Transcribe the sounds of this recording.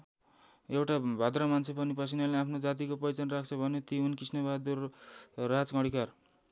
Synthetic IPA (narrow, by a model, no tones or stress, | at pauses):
ewʈabʱad̪rʌmant͡sʰepʌnipʌsʰinaleapʰnod͡zat̪̬ikopʌjt͡sʌnrak̚ʰt͡sʰʌbʱʌnet̪iunkrisnʌbad̪urː | ad͡zkʌɽʱikar